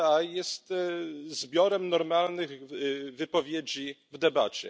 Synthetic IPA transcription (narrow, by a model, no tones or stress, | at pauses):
ajɛst̪zbʲjɔɾɛmnɔɾmalnɘɣvɘpɔvʲjed͡ʑivd̪ɛba̰t͡ɕɛ̰